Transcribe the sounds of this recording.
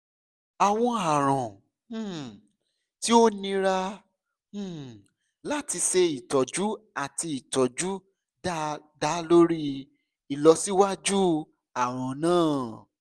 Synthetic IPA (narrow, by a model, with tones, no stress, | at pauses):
a˨w̃ɔ̃˧a˨ɾ̃ɔ̃˨˦˨ | ti˦o˦nĩ˧ɾã˦˧˦ | la˦˨ti˧se˧i˨tɔ˨d͡ʒu˦a˦˨ti˧i˨tɔ˨d͡ʒu˦ | da˦ | da˦lo˦ɾi˦ | i˨lɔ˧si˦wa˦d͡ʒu˦ | a˨w̃ɔ̃˨nãː˦˨